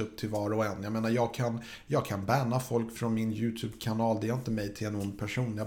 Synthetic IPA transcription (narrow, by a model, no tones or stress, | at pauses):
ɵp̚ːt̪ʰɪlvɑːɾɔɛnːjameːnajɑːɡ̚kʰan | jɑːɡ̚kʰanbæːnafɔlkfɾɔnmɪnjʉ̟ːt̪ʰʉːbkʰanɑːld̪ɛɾɪnt̪əmɛjt̪ʰɪlɛnʊnd̪̚pʰæʂuːnja